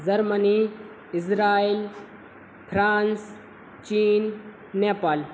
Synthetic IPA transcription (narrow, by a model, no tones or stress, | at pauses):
zɐɾmɐni | ɪs̬ɾaːil | pʰɾaːns | t͡ʃiːnː | eːpaːl